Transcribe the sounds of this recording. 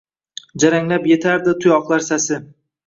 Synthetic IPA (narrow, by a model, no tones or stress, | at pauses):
d͡ʒaɾaŋlapje̞t̪ʰaɾd̪ɪt̪ʰʊjɒqlˠaɾsasɪ